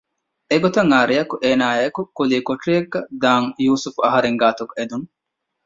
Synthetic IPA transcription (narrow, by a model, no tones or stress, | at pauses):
eɡot̪ɐŋːaːɾijɐkuʔeːnaːjɐkukuliːkoʈrieɡːɐd̪aːŋjuːsufuɐɦɐɾeŋɡaːt̪uked̪uŋ